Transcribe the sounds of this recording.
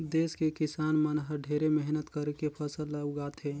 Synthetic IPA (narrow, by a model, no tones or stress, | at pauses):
d̪eːskekɪsaːnmənɦəɾɖʱeːɾemɛɦnət̪kəɾkepʰəsəlːəɡaːt̪ʰɦeː